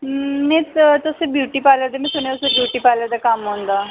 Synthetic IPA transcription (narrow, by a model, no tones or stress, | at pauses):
nẽt̪t̪əsebjuːʈiːpaːləɾd̪emĩsoñjt̪ʊsebjuːʈiːpaləɾd̪akamɦõnd̪aː